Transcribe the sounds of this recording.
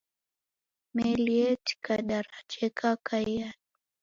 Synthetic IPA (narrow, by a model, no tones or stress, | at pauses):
mɛliɛti̥kaɗaɾat͡ʃɛkakajan